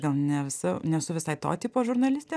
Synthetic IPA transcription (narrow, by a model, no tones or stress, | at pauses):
ɡɐlˠnʲɛʋʲɪsɐnʲɛsʊʋʲɪsɐɪt̪o̰ːt̪ʲipoːʒʊɾnɐlʲɪsʲt̪ʲeː